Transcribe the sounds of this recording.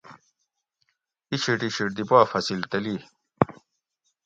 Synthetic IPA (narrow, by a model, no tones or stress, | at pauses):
iɕiʈiɕiʈ̚d̪ipaːfɐsilt̪ɐliː